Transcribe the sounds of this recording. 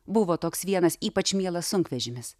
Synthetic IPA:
bʊʋoːt̪oːksʋʲiɛnɐsiːpɐt͡ʃmʲiɛlˠɐssʊŋkʋʲɛʒʲɪmʲɪs

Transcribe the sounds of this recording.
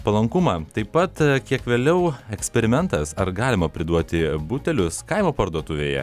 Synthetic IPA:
pɐlˠɐŋkʊmɑːt̪ɐɪpɐt̪kʲiɛkʋʲeːlʲɛʊɛksʲpʲɛɾʲɪmʲɛnt̪ɐsɐɾɡɑːlʲɪmɐpʲɾʲɪd̪uɔt̪ʲɪbʊt̪ʲɛlʲʊskɐɪmoːpɐɾd̪uɔt̪ʊʋʲeːjɛ̰

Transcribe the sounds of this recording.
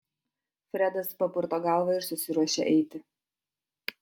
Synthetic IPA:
fʲɾʲɛd̪ɐspɐpʊɾt̪oːɡɑˑlˠʋɐɪɾsʊsʲɪɾuɔʃʲḛʔɛɪt̪ʲɪ

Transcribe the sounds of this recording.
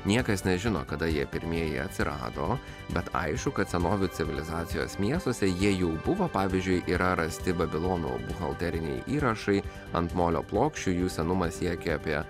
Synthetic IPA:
nʲiɛkɐsnʲɛʒʲɪno̰ːkɐd̪ɐjiɛpʲɪɾʲmʲiɛjḭɐ̰t̪ʲsʲɪɾɑ̰ːd̪o̰ː | bʲɛt̪ɐ̰ɪʃkʊkɐt̪sʲɛnoːʋʲʊtsʲɪʋʲɪlʲɪzɑːt̪sʲɪjo̰ːsmʲiɛst̪oɔsʲɛjiɛjɛʊbʊʋoːpɑːʋʲɪzʲd͡ʒʲʊɪʔiːɾʔɐɾɐsʲt̪ʲɪbɐbʲɪlˠoːnṵːbʊxɐlˠt̪ʲɛɾʲɪnʲɛ̰ɪʔiːɾɐʃɐɪ | ɐnt̪moːlʲo̰ːplˠoːkʃʲt͡ʃʲʊjuːsʲɛnʊmɐsʲjʲiɛkʲeɐpʲiɛ

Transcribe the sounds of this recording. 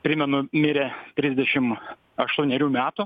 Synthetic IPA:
pʲɾʲɪmʲɛnʊmʲɪɾʲɛt̪ʲɾʲɪzʲd̪ʲɛʃʲɪm | ɐʃt̪uːnʲɛɾʲuːmʲæːt̪ʊ

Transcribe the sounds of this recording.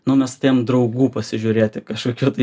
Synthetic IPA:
nʊmʲɛst̪ʲeːjmd̪ɾɐʊɡuːpɐsʲɪʒʲʊɾʲeːt̪ʲɪkɐʃkoːkʲuːt̪ɐɪ

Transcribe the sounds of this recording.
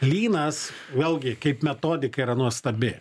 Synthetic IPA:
lʲiːnɐsʋʲeːlˠɡʲɪkɐɪpmʲɛt̪oːd̪ʲɪkɐiɾɐnuɔst̪ɐbʲɪ

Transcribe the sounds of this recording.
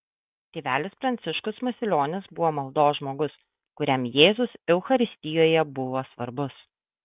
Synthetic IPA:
t̪ʲeːʋʲæːlʲɪspɾɐnʲt̪sʲɪʃkʊsmɐsʲɪlʲoːnʲɪsbʊʋoːmɐlˠd̪oːsʒmoːɡʊs | kʊɾʲɛmjeːzʊsɛʊxɐɾʲɪsʲt̪ʲɪjoːjɛbʊʋoːsʋɐɾbʊs

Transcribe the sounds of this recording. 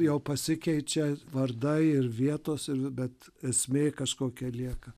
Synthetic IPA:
jɛʊpɐsʲɪkʲɛɪt͡ʃʲɛʋɐrd̪ɐɪɪrʋʲiɛt̪oːsɪɾbʲɛt̪ | ɛsʲmʲeːkɐʃkoːkʲɛlʲiɛkɐ

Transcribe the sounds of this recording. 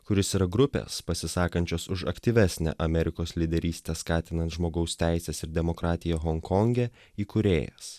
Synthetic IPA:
kʊɾʲɪsiɾɐɡɾʊpʲḛːspɐsʲɪsɑːkɐnʲt͡ʃʲoːsʊʃɐ̰kt̪ʲiːʋʲæsʲnʲɛ̰ːʔɐmʲɛɾʲɪkoːslʲid̪ʲɛɾʲiːsʲt̪ʲɛskɑːt̪ʲɪnɐnt̪ʒmoːɡɐʊsʲt̪ʲæˑɪsʲesɪɾd̪ʲɛmokɾɑːt̪ʲɪjɛɣɔŋkʰɔŋʲɡʲɛ | iːkʊɾʲḛːjɛ̰s

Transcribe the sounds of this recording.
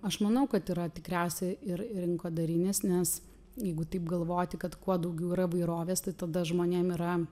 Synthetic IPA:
ɐʃmɐnɐʊkɐt̪iːɾɐt̪ʲɪkɾʲæʊsʲɛɪɪɾɾʲɪŋkoːd̪ɐɾʲɪnʲeːsnʲɛs | jɛɪɡʊt̪ɐɪpɡɐlˠʋoːt̪ʲɪkɐt̪kuɔd̪ɐʊɡʲɛʊiːɾɐʋɐɪɾoːʋʲeːst̪ɐɪt̪ɐd̪ɐʒmoːnʲeːmiːɾɐ

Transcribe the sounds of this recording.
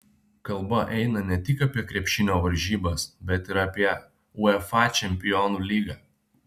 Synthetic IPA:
kɐlˠˑbɐʔɛɪnɐnʲɛt̪ʲɪkɐpʲiɛkɾʲiɛpʲʃʲɪnʲoːʋɐɾʲʒʲiːbɐsbʲɛt̪ɪɾɐpʲiɛ | ʊɛfɑt͡ʃʲɛmʲpʲɪjɔːnuːlʲiːɡɑː

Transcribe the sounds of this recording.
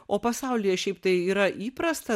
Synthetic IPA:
oːpɐsɐʊlʲɪjɛʃʲɛɪpt̪ɐɪiːɾɐʔiːpɾɐst̪ɐ

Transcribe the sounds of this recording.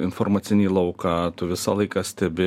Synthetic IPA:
ɪnfoɾmɑːt̪sʲɪnʲiːlˠɐʊkɑːt̪ʊʋʲɪsɑlˠɐɪkɑːsʲt̪ʲɛbʲɪ

